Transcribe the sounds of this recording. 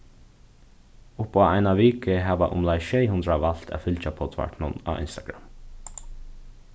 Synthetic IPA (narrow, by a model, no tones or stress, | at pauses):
ʊpaːaɪnaʋiːkəɦæːʋaʔʊ̰mlajʃɛɪhʊnd̪ɾaʋal̥t̪æ̰ːfʏlt͡ʃapʰɔt̪ʰʋa̰ʈɳʊna̰ːʋʔɪ̰nst̪aɡ̥ɹa̰m